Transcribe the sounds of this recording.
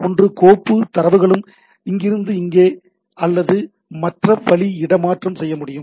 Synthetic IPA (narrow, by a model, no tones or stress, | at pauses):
ɔndrɯkoːpːɯt̪ɐɾɐʋɯɣɐɭɯm | ɪŋɡɪɾɯnd̪ɯɪŋɡeː | ɐlːɐðɯ | mɐʈrɐʋɐɭiɪɽɐmaːʈrɐmsɛjːɐmʊɽɪjɯm